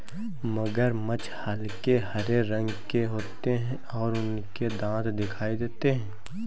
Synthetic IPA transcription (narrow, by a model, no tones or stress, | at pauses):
məɡəɾmɐt͡ʃhaːlkeɦɐɾeɾɐ̃ŋɡkeɦoːt̪eɦɛ̃ | ɔːɾʊn | ked̪ãːt̪d̪ɪkʰaːid̪eːt̪eɦɛ̃ː